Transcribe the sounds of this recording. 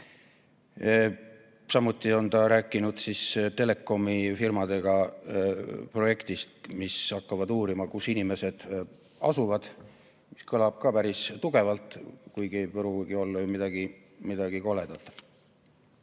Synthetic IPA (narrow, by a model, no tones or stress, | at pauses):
sɑmut̪ːˑio̞nt̪ɑɾæːkːˑinud̪̥sist̪e̞le̞kːˑo̞mifirmɑd̪e̞ɡ̥ɑ | pro̞je̞kt̪ist̪misɑkːɑvɑd̪uːɾimɑkusinime̞se̞d̪̥ | ɑ̰suvɑd̪̥ | mi̥skɤlɑb̥̚kɑpæɾist̪uɡ̥e̞vɑlt̪ˑkujɡiejpɤɾuɡ̥io̞lːujumid̪̥ɑɡi | mid̪̥ɑɡ̥iko̞led̪ɑt̪ːˑɑ̥